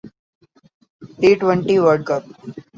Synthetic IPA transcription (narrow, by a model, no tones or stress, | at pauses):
t̪ɾiːʈʋɛ̃ɳʈiʋəɾɖkəp̚